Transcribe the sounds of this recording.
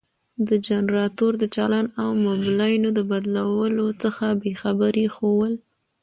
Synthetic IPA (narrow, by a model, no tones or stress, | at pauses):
d̪əd͡ʒanɾɑt̪oɾd̪ət͡ʃɑlɑnawmoblɑjnod̪əbad̪lawəlot͡səxabexabəɾexowəl